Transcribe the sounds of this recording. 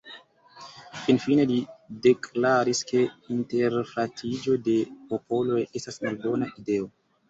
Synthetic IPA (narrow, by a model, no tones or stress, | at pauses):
finfine̞lide̞klaɾiske̞inte̞ɾfatʰid͡ʒo̞de̞popʰo̞lo̞je̞stasmalbo̞naʔide̞o̞